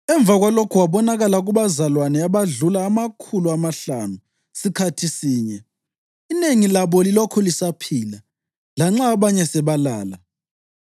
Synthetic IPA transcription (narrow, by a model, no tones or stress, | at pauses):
ɛɱb̪vʱaɣwalokʰuwaβɔnaɣalaɣuβazalwanɛaβaɮulaːmakʰuluamaɬanu | sikʰatʰisiːɲɛ | ineŋilaβɔlilokʰulisapʰila | laŋ͡ǁaβaɲɛsɛβalaːla